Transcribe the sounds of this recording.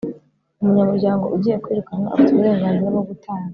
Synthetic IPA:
umuɲamuɾɟaːŋɡo̞̰ʔuɟiːjekwiːɾukanaʔa̰fituβuɾe̞ːŋɡaːnziɾaɡoɡutʰaːŋɡa

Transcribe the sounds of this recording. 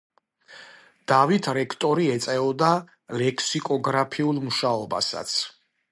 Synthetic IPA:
d̪̥avit̪ʰɾɛkʰt̪ʼɔɾiɛt̪sʼɛɔd̪a | lɛkʰsikʼɔɡɾapʰiulˠmuʃaɔba̰sa̰t̪sʰ

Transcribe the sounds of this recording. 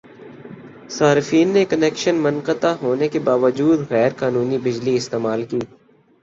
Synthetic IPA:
saːɾɪfiːnːekɐneːkʃənmɐnqət̪aɦoːnekebaːʋəd͡ʒuːd̪ɣɛːɾqaːnuːnibɪd͡ʒliɪst̪eːmaːlkiː

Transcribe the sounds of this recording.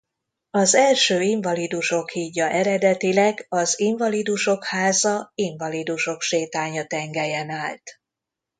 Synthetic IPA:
ɒzɛlʃøːiɱvɒlid̪uʃo̞khiːɟːɒʔɛɾɛd̪ɛt̪ilɛɡɒziɱvɒlid̪uʃo̞khaːzɒiɱvɒlid̪uʃo̞kʃeːt̪aːɲɒt̪ɛŋɡɛjɛnaːlt̪

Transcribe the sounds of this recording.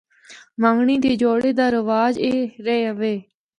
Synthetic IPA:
mãːŋɡɳiːt̪eːd͡ʒoːɽeːd̪aːɾəʋaːd͡ʒeːɾeɦəʋeː

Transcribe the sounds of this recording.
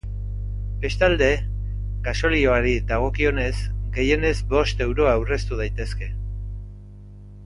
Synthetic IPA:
be̞st̪ald̪e̞ | ɡaso̞lio̞aɾid̪aɣ̞o̞kio̞ne̞zɡe̞je̞ne̞zbo̞st̪e̞wɾo̞awre̞st̪uð̞ajt̪e̞ske̞

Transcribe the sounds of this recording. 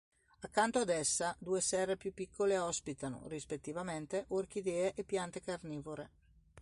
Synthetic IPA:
akːant̪oad̪ɛsːad̪uːesɛrːepjupːikʰːoleɔspit̪ano̰rispet̪ːivament̪eʔork̟id̪eːeʔepːjant̪ekarniːvoɾe

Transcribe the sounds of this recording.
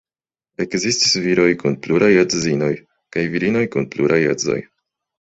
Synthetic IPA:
e̞kzistisviɾo̞jkunpluɾajat͡szino̞j | kajviɾino̞jkunpluɾʔajazo̞̰j

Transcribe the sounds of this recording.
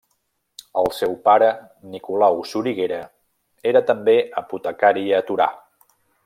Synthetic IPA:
əlˠsewpaɾə | nikulawsuɾiɣeɾə | eɾət̪əmbeəput̪əkaɾiət̪uɾa̰

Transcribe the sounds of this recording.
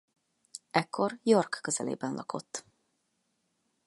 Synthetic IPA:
ɛkːo̞rjorkːøzɛ̰lḛːbɛnlʔɒkʰo̞t̪ː

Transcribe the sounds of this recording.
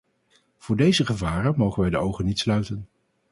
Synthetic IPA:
v̥ʊːɹdejzəχəvaːrənmowχənʋɛjdəowχənitslœɥtən

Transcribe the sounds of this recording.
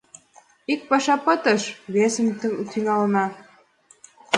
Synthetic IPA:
ik̚pɑʃɑpɤt̪əʃβesəmt̪yŋɑlənɑ

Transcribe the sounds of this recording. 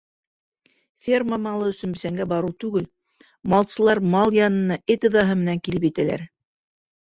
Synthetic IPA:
fʲerməmɑlˠɤɵ̆sɵ̆nbɘ̆sæŋɡæbɑɾuwt̪ʉɡɘl | mɑlˠsɤ̆lˠɑɾmɑlˠjɑnɤ̆nɑʔɘt̪ɤ̆ðɑɦɤmɘ̆næŋkilɘpjit̪ælæ̰ɾ

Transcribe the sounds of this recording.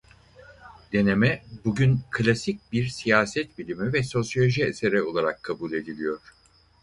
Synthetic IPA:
d̪̥e̞ne̞mɛbuɟynkʰlʲasic̚biɾsijaːsɛt̪bilʲimivɛso̞sjo̞lʲoʒiese̞ɾɛo̞lˠaɾakʰːabuːlʲe̞d̪ilʲijo̞ɾ̥

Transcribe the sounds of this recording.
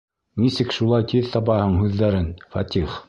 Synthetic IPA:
nisɘkʃulˠɑjt̪ʰiðt̪ɑpɑhɤɴɦʉðːæɾɘnfɑt̪ʲiχ

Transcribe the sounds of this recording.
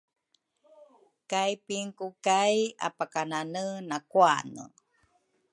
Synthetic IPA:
kajpiŋkukaja̰pakananənakua̰nə̰

